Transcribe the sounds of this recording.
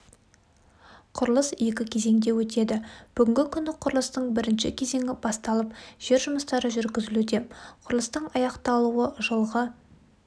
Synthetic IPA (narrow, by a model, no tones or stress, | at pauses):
qʰʊɾlˠəsje̞kʲɪkʲʰe̞ze̞ŋd̪e̞wɵt̪e̞d̪ɪb̥ʏɡʲɪŋɡʲɪkʲʰʏnɪqʰʊɾlˠəst̪əɴbɪɾɪnʃɪkʲʰe̞ze̞ŋʲɪbɑst̪ɑlˠəp̚ʒ̥e̞ɾʒʊməst̪ɑɾəʒʏɾɡʲɪzɪlud̪e̞qʰʊɾlˠəst̪əɴɑjɑqt̪ɑlˠuwəʒəlˠʁə